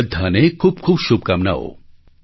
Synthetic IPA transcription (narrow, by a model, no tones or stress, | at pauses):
d̪ʱːanekʰuːb̚kʰuːbʃub̚kamna̰o̰